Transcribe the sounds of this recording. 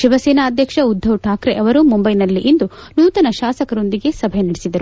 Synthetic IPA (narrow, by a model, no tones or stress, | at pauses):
ʃiʋɐseːnaːd̪ʱjɐkʂɐud̪ʱːɐwʈʰaːkɾeʔɐʋɐɾumumbɐjnɐlːiʔind̪unuːt̪ɐnɐʃaːsɐkɐɾo̞nd̪iɡe̞sɐbʱɛjnɐɽesid̪ɐɾu